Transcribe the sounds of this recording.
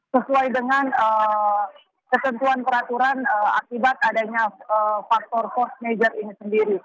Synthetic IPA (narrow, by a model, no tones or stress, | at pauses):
səsuajdəŋanə | kət̪ənt̪uanpəɾat̪uɾanəa̰kibat̪adaɲaəfak̚t̪ɔrfɔrsned͡ʒərinisəndiɾi